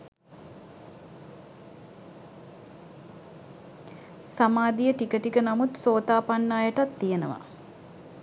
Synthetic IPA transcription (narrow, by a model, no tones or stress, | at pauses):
samaːd̪ijəʈikəʈikənamut̪soːt̪aːpanːaːjəʈat̪ːijenə̰ʋa̰